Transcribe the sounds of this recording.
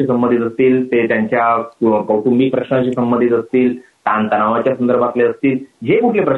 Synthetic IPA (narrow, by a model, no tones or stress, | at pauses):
iːsəmbənd̪ʱit̪əst̪iːlt̪et̪jaɲt͡ɕjakəwʈumbiːpɾəkɕnaɕiːsəmbə̃nd̪ʱit̪əst̪iːl | t̪ant̪ənaʋat͡ɕjasənd̪əɾbʱat̪leəst̪iːld͡ʑekuʈʰlepɾə